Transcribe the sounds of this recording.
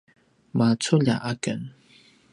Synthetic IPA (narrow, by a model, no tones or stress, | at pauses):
mat͡sʰuʎa̰ʔakən